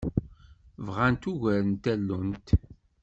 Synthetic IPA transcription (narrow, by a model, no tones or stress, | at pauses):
vʁant̪uʝæɾənt̪ælːunt̪